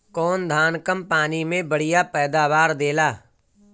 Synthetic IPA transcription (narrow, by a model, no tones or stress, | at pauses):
kɔːnd̪ʱaːnkəmpaːnimẽbəɽɪjapɛːd̪aːbaːɾd̪eːlaː